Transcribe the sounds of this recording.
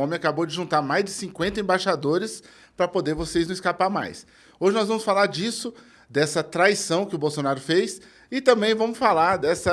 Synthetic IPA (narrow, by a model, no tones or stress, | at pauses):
õmẽakabowd͡ʒɪʒũnt̪aɾmajzd͡ʒɪsĩkwẽnt̪ɐẽbajʃad̪oɾɪs | pɾɐpod̪eɾvosejznũɪskapaɾma̰js | oʒɪnɔzvɐ̃mʊsfalaɾd͡ʒisʊ | d̪ɛsɐt̪ɾajsɐ̃w̃kɪʊbowsonaɾʊfejs | ɪt̪ɐ̃mbẽj̃vɐ̃mʊsfalaɾd̪ɛsɐ